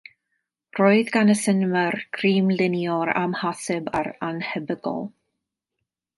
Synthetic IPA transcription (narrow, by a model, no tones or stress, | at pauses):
roːɨðɡanəsənmərkʰriːmlɪnjɔɾa̰mhasɛbaɾanhɛbəɡɔ̰lˠ